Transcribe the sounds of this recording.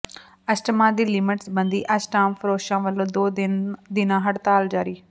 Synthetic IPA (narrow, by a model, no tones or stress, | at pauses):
ɐsʈɪmaːd̪ilimɪʈsbɐ̃nd̪iʔɐsʈaːmfɾoːʃãːʋɐlod̪oːd̪ɪnãɦɐɽt̪aːld͡ʑaːɾiː